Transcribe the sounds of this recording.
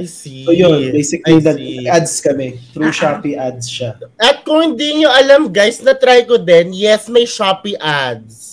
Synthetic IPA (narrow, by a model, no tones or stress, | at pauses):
ojonbejsɪklid̪ɐmɐɡad̪skɐmɛt̪ɾuːʃaːpiʔad̪sʃaʔɐt̪̚kʊŋhɪnd̪iːɲoʔɐlamɡajsnɐt̪ɾajkod̪ɛnjɛsmɐjʃapiʔad̪̚s